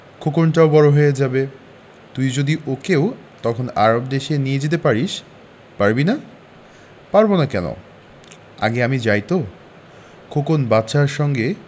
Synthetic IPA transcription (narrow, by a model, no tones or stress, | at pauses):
kʰokonʈaobɔɾoɦoed͡ʑabe | t̪ujd͡ʑod̪iʔokeo | t̪ɔkʰona̰ɾob̚d̪eʃenijed͡ʑet̪̬epaɾiʃ | paɾbina | paɾbonakɛno̰ | a̰ɡeamid͡ʑajt̪o | kʰokonbatːʃaɾʃɔŋɡe